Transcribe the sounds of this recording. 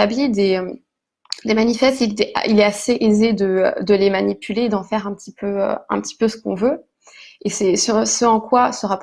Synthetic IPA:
ablid̪eøm | d̪emanifɛst̪id̪ʔa̰ilɛaseʔezed̪əø̰d̪əlemanipyleːd̪ɑ̃fɛʁɛ̃pət̪ipʰøø̰ɛ̰̃pət̪i̥pøsə̥kɔ̰̃vø | esɛsysəɑ̃kwasəʁap

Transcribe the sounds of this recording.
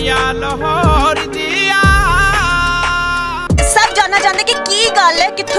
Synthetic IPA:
jal | ɦoɾd̪i | səbd͡ʒãːnːaːt͡ʃãːnd̪eːkikiːɡalɛːkɪt̪ʰ

